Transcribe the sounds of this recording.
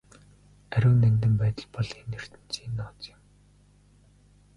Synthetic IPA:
æɾʲʊ̆ːnænt̪̬ɘ̆mpæːt̪ə̆ɮpɔɮenːer̥t̪ɘ̆n̥t͡siːnːɔːt͡sjɪ̆m

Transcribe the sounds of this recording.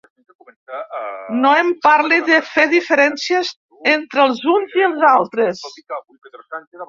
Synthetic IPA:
noempaɾliðəfeðifəɾɛnsiəz | ent̪ɾəlˠzunziəlˠzalˠt̪ɾəs

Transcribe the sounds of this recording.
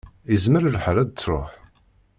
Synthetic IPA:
izməɾəlħəɾæd̪̚t͡sːɾˤo̰ħ

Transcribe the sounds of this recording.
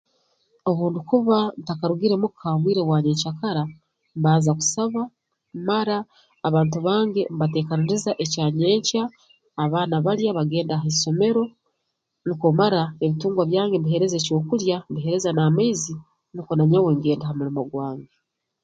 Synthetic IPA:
o̞βuːndikuβantakaɾuɡiɾe̞mukʰaːŋɡwiːɾeβwaːɲeːɲt͡ʃakaɾa | mbaːzaku̥saβa | maɾaː | βaːntuβaːŋɡe̞mbate̞ːkaniɾizaʔe̞caːɲe̞ːɲcaː | βaːnaβaɾjaβaɡe̞ːndaɦeso̞me̞ɾo̞ | nikomaɾaeβituːŋɡwaβjaːŋɡe̞mbiɦe̞ɾe̞zeco̞ːkuɾjambiɦe̞ɾe̞zanamaizi | nikonaɲawe̞ŋɡe̞ːndaɦamuɾimoɡwaːŋɡe

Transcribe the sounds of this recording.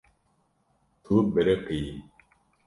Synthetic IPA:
t̪ʰubeɾeqʰiː

